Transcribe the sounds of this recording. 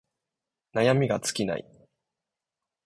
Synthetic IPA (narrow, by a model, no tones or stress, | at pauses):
najamʲiɡat͡sɨ̥kʲina̰ḭ